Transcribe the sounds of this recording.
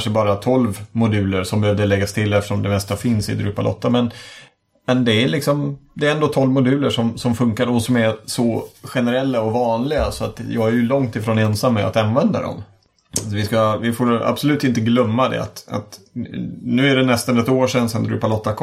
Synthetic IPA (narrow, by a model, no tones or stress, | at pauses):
nʂəbɑːɾat̪ʰɔlvmʊd̪ʉ̟ːləɾʂɔmbɛhøːvd̪əɭɛɡːast̪ʰɪlːɛft̪ə̥ʂɔmd̪ɛmɛst̪afɪnsɪ̰d̪ɾʉːpalɔ̰t̪ːamɛn | mɛnd̪ɛːlɪksɔmd̪ɛːɾɛnd̪oːt̪ʰɔlvmʊd̪ʉ̟ːləʂɔmsɔmfɵŋkaɾɔsɔmæɾsɔɧɛnəɾɛlːaɔvɑːnlɪɡasɔat̪jɑ̰ːɡæɾjɵlɔŋt̪ɪfɾoːnɛnsamːaa̰t̪anvɛnd̪a̰d̪ɔ̰m | vɪskavɪfoːɾa̰bsɔlʉ̟ːt̪ɪnt̪əɡlœmːad̪ɛ̰a̰t̪a̰t̪ | nʉ̟ːæɖɛnɛst̪anɛt̪oːʂɛnsɛnd̪ɾʉ̰ːpalɔt̪ːakʰ